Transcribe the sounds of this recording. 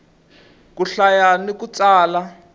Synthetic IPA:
k̬uɬajanikut͡saːla

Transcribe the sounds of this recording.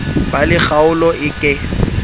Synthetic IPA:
balɪχaʊlɔʔɪkʼɪ

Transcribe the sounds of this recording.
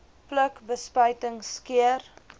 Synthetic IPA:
pləkbəspœjtəŋskiər

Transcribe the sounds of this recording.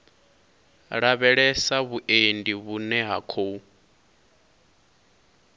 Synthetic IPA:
ɺaβɛɺɛsaβuʔendiβunɛɦa̰kʰou

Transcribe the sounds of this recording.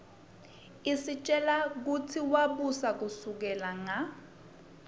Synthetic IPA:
isit͡ʃʼɛlak̬utʰiwaɓusak̬usuk̬ɛlaŋa

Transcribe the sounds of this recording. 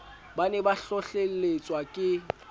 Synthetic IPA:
banɛbaɬɔɬeet͡sʼwakʼɪ

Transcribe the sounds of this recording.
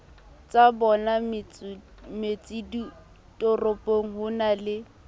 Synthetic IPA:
t͡sabɔnamɪt͡s | met͡sʼidi | tʼɔropʼoŋ̩ɦʊnalɪ

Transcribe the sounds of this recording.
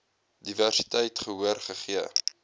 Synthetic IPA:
diværsi̥tɛjtχəɦuərχəχiə

